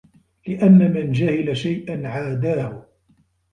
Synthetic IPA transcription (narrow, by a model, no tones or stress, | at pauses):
lɪʔanːamɪnd͡ʒahɪlaʃajʔanʕaːd̪aːhʊ